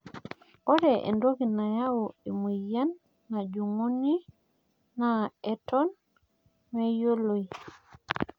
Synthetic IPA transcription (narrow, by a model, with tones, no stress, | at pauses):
ɔɾɛʔḛ˨ndoɡi˨na˨jawoe˨mu˨ja˦nː | a˨d͡ʒu˨ŋu˦niː | aɛtɔn | mejo˦lo˨j